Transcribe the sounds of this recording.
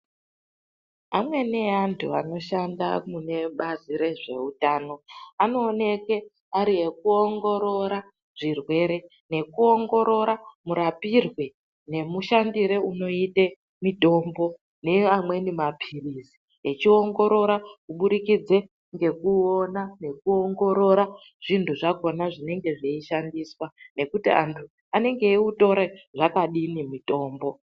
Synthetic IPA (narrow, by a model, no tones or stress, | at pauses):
amwe̞ne̞antʰṵa̰no̞ʃanda̰mune̞ɓaziɾe̞ʐe̞̰utaːno̞ano̞ːne̞ke | aɾie̞kuo̞ŋɡo̞ɾo̞ɾa | ʐirwe̞ɾe̞ | ne̞kuo̞ŋɡo̞ɾo̞ɾamuɾapirwe | ne̞muʃandiɾeuno̞ite | mito̞mbo̞ | ne̞amwe̞nimapʰirizi | et͡ʃio̞ŋɡo̞ɾo̞ɾakuɓuɾikid͡ze | ŋɡe̞kuonane̞kuoŋɡo̞ɾo̞ɾa | ʐ̥intuʐako̞naʐine̞ŋɡe̞ʐeiʃandiswane̞kutḭa̰ntʰu | ane̞ŋɡe̞iuto̞ɾeʐakaɗinimito̞ːmbo̞